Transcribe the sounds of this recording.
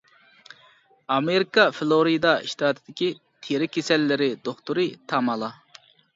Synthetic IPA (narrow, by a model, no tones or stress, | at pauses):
ɑmeɾikɑflˠoɾid̪ɑiʃt̪ɑt̪ʰɨd̪ɪkʲi | t̪ʰeɾɪkʲʰesɛlːɪɾɪd̪oχt̪uɾɨt̪ʰɑmɑlˠɑ